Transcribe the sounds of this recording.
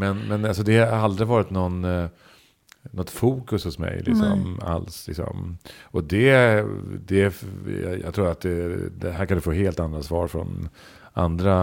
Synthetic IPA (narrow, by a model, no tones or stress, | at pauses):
mɛnmɛnals̬ɔd̪ɛhaaɾald̪ɾɪɡvɑːɾɪt̪nɔn | nɔt̪fuːkɵshʊsmɛ̰jlɪ̰ksɔ̰mːa̰lslɪksɔ̰mɔd̪ɛ | d̪ɛj̰jɑ̰ːɡt̪ʰɾuːɾat̪̚d̪ɛd̪ɛɦæɾkʰand̪ɵfoːɦeːlt̪and̪ɾasvɑːɾfɾɔ̰n | a̰nd̪ɾa